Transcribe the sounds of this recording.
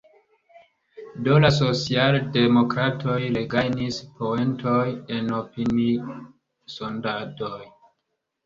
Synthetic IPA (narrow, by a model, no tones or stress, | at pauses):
do̞laso̞t͡sialde̞mo̞kɾatʰo̞jleɡajnispʰoe̞nto̞je̞no̞pini | so̞ndadoj